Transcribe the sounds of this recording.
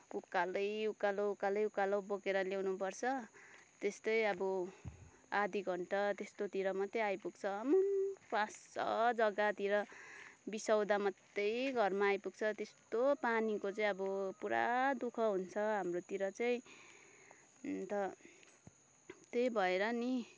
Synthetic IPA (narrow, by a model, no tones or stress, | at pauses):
ukːalʌjukːaloukːalʌjukːalowbokeɾʌlewnupʌrt͡sʰʌt̪est̪ʌjʌbʌ | ad̪iɡʱʌɳʈʌt̪est̪ot̪iɾʌmʌt̪ːejajpuɡ̚t͡sʰʌːmʌnpãsːʌ̰d͡zʌɡat̪iɾʌbisʌwd̪amʌt̪ːʌjɡʱʌrmaːjpuɡ̚t͡sʰʌt̪est̪opanikot͡saĩʌbʌpuɾa̰d̪ukʰʌɦunt͡sʰʌɦamrot̪iɾʌt͡saĩ | t̪ʌ | t̪ejbʱʌeɾʌni